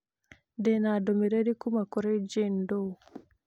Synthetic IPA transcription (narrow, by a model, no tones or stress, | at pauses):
dɛnadomeɾeɾikumakoɾed͡ʒendo